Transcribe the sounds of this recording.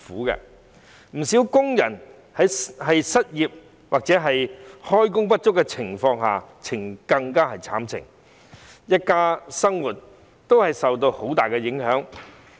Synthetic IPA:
fuː˨˥kɛ̰ː˧ | m̩˨˩siː˨˥wkʊ˥ŋjɐ̰˨˩n | hɐ˨˥jhɐ˨jsɐ˥t̚jiː˨p̚ | waː˨k̚t͡sɛː˨˥ɦɐ˨jhɔː˥jkʊ˥ŋpɐ˥t̚t͡ʃʊ˥kːɛ˧t͡sʰɪ˨˩ŋfɔː˧ŋɦa̰ː˨t͡sʰɪ˨˩ŋkɐ˧ŋkaː˥hɐ˨jt͡sʰa̰ː˨˥mt͡sʰɪ̰˨˩ŋ | jɐ˥t̚kaː˧˥sɐ˥ŋwuː˨˩t̚ | t̪o˥whɐ˨jsɐ˨wt̪o˧who˨˥wt̪aː˨jkɛ˧jɪ˨˥ŋɦœː˨˥ŋ

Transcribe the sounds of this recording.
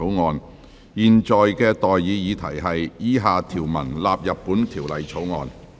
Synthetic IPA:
o˨˥wŋɔː˨˧n | jiː˨nt͡ʃɔː˨jkɛː˧t̪ɔː˨jːiː˨˧jiː˨˧t̪ʰɐ˨˩jɦɐ˨jjiː˥ɦaː˨˧t̪ʰiː˨˩wmɐ˨˩nlaː˨p̚jɐ˨p̚pːuː˨˥nt̪ʰiː˨˩wlɐ˨jt͡sʰo˨˥wŋɔ̰ː˨˧n

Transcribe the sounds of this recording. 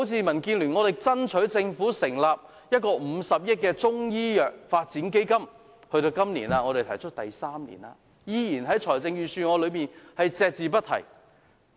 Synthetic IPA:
o˨˥wt͡sʰiː˧mɐ˨˩nkiː˧nlyː˨˩nŋɔː˨˧t̪ɪ˨k̚t͡sɐ˥nt͡ʃʰɵ˨˥ɥt͡sɪ˧ŋfuː˨˥sɪ˨˩ŋlaː˨p̚ | jɐ˥t̚kɔː˧m̩˨˧sɐ˨p̚jɪ˥t̚kɛː˧t͡sʊ˥ŋjiː˥jœː˨k̚faː˧t̚t͡siː˨˥nke˥jkɐ˥m | hɵ˧ɥt̪o˧wkɐ˥mniː˨˩naː˧ŋɔː˨˧ɾe˨jt̪ʰɐ˨˩jt͡ʃʰɵ˥t̚t̪ɐ˨jsaː˥mnḭ˨˩na̰ː˧ | jiː˧jiː˨˩nɦɐ˨˥jt͡ʃʰɔː˨˩jt͡sɪ˧ŋjyː˨˩syː˧ŋɔː˨˧lɵ˨˧ɥmiː˨nhɐ˨jt͡sɛː˧k̚t͡siː˨p̬ɐ˥t̚t̪ʰɐ̰˨˩j

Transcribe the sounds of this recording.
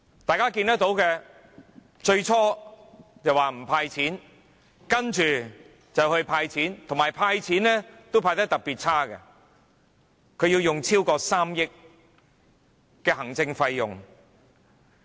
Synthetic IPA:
t̪aː˨jkaː˥ki˧nt̪ɐ˥k̚t̪o˨˥wkɛ˧ | t͡ʃɵ˧ɥt͡ʃʰɔː˥ | t͡sɐ˨˩waː˨˩m̩˨˩pʰaː˧jt͡sʰiː˨˥n | kɐ˥nt͡ʃyː˨ | t͡sɐ˨˩whɵ˧ɥpʰaː˧jt͡sʰiː˨˥nt̪ʰʊ˨˩ŋmaː˨˩jpʰaː˧jt͡sʰiː˨˥nlɛ˥t̪o˥wpʰaː˧jt̪ɐ˥k̚t̪ɐ˨k̚piː˨˩t̚t͡sʰaː˥kɛ˧ | kʰɵ˨˧ɥjiː˧wjʊ˨ŋt͡sʰiː˥wkɔː˧saː˥mjɪ˥k̚ | kːɛː˧ɦɐ˨˩ŋt͡sɪ˧ŋfɐ˧jːʊ˨ŋ

